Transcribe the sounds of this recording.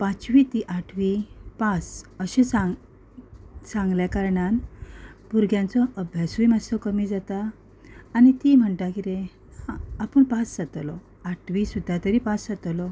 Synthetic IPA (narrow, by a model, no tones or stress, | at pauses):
pãt͡sʋit̪iʔaʈʰʋipasəɕẽsa | sãŋɡljakaɾɳanpuɾɡjãnt͡sɔʔəbʱjasuimasɔkəmiːd͡zat̪aː | nit̪im̤əɳt̪akiɾe | hãapəɳpasd͡zat̪lɔ | aʈʰʋisud̪ʱːat̪əɾiːpasd͡zat̪lɔ